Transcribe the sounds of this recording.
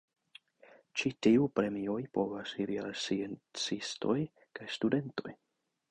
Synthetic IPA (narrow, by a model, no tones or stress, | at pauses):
t͡ʃitiupɾe̞mio̞jpo̞vasiɾialsient͡sisto̞̰j | kajstude̞nto̞̰j